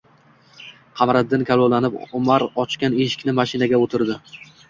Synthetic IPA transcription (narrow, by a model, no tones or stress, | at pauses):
qʰɑmɾad̪ːɪnkʲʰalˠolanɪpʊmaɾɒt͡ʃkʲaneʃɪ̥kʲnɪmaʃɪnaɡʲaot̪ʰɪɾd̪ɪ